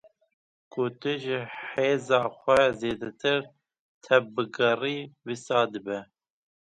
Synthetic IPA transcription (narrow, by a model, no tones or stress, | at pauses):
kʰʊt̪ɨʒɪħeːzɑːxʷɛzeːd̪ɛt̪ʰɨɾ | t̪ʰɛvbɨɡɛriːwisɑːd̪ɨbɛ